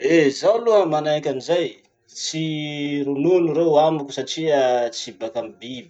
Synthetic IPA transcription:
ezawluɦəmanajkʲanizaj | t͡siɾununuɾewamukʲu̥saʈ͡ʂiət͡sibakambibi

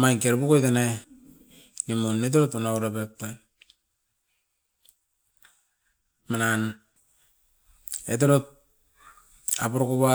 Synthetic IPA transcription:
majnkeɾbukojtena | nimonet̬eɾotunauɾapep̚tan | manan | et̬eɾot̚ | apoɾokoβa

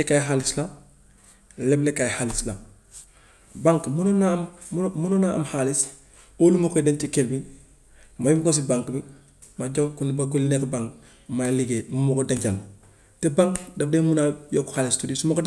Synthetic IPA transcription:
ekajɦalisla | leblekajhalisla | baŋkmunonamunonaamhalis | olumokoidentikelbi | majubkos̬ibaŋkbi | maɟokundibakulinekbaŋk | majliɡemumokodeŋkal | tebaŋkdafdemunajoku̥halistudisumokod

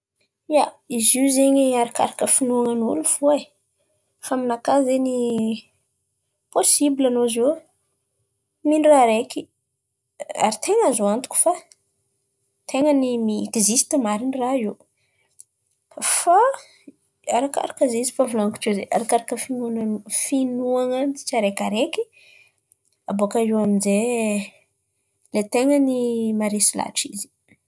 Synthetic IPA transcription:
jaiziuzeɲiaɾaka̰ɾakəfinuaŋanṵluv̥ua | faminakazeni | posibilanozew | minraɾeki | a̰ɾit̪ʰeŋazoant̪u̥kʲu̥fa | t̪ʰeŋənimiːkizist̪imaɾiniraiw | fa | aɾaka̰ɾakazizifavulaŋku̥ʈ͡ʂezḛʔa̰ɾakaɾakəfinunanufinuaŋəd̪i̥t͡saɾekaɾeki | abokaiwaminze | let̪eŋənimaɾisila̰ʈ͡ʂizi̥

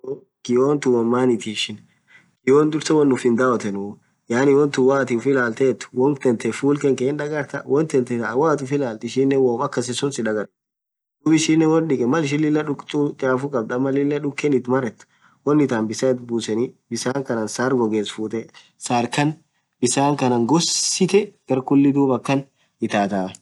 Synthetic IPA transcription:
ɡ̥ɪjoːnt̪ʊwɔmːaːnɪt̪iːʃɪn | kɪoːnd̪ʊɾt̪ɛwɔnːʊfɪnd̪aɔt̪ɛnʊ | jaːnɪwɔnt̪ʊwaːt̪ɪfɪlaːlt̪eːt̪ːʊ̥wɔŋt̪ɛnt̪ɛfuːlkɛŋkeːnᶑ̪ɐɡɐɾt̪ɐwɔnt̪ɛnt̪ɛt̪ɐwaːt̪ʊfɪlaːlt̪ɪʃɪnːɛwoːmɐkːɐsɛsɔnsɪᶑɐɡɐɾ | dd̪̥uːbɪʃɪnːɛwɔnɗɪkʼɛmɐlɪʃ̬ɪlːɪlːɐᶑʊkʼt̪ʼut͡ʃʼaːfʊkʼɐb̚d̪ɐmɐlɪlːɐᶑʊkːɛnɪt̪mɐrɛt̪ː | wɔnːɪt̪aːnbɪsɐɪt̪buːsɛnɪbɪsaːŋkɐnɐnsaːɾɡɔɡeːsfuːt̪ɛ | saːɾkɐn | bɪsaːŋkɐnɐŋɡɔsːɪt̪ɛɡ̥ɐɾkʊlːɪd̪uːbɐkːɐn | ɪt̪aːt̪aː

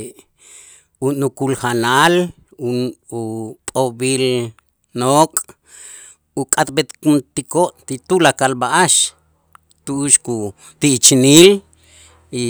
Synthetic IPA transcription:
unukulxanal | uupʼobiːl | noːkʼ | ukʼat̪̚bet̪kunt̪ikoʔt̪it̪ulakalbaʔaʃ | t̪uʔuʃku | t̪iʔt͡ʃniːl | i

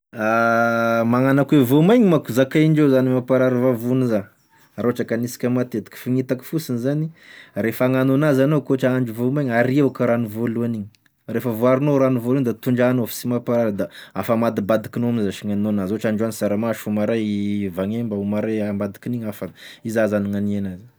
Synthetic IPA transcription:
a | maŋanakwevomajɲimakuzakaiɳɖ͡ʐezanimapaɾaɾvavuniza | ɾoʈ͡ʂakanisi̥kʲamat̪et̪i̥kə̥fiŋit̪aki̥fusinizanirefaŋanonazanokoʈ͡ʂaaɳd͡ʒuvomajɲaɾiewkaɾanuvoluaniɲi̥ | refəvoaɾinoɾanuvolund̪at̪uɳd͡ʒanofi̥simapaɾaɾd̪aafamad̪ibad̪ikinoamzaʃiŋanonazoʈ͡ʂaɳɖ͡ʐanisaɾamaʃumaɾajvaŋembaumaɾajambad̪i̥kiniɲafaizazaniŋanienaz

